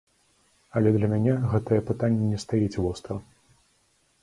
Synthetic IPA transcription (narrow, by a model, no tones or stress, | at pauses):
ɐlʲɛd̪lʲɐmʲanʲɛɣɛt̪ɐjɐpɨt̪anʲːɛnʲɛst̪ajɛt͡sʲvɔst̪ɾɐ